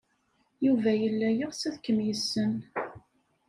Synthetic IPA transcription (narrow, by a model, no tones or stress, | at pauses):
juvæjəlːæjəʁsæðkːəmjəsːən